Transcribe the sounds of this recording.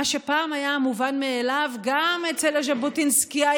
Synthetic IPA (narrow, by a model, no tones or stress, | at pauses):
aʃepaːmajamuvanmeelavɡamet͡selaʒabotinskia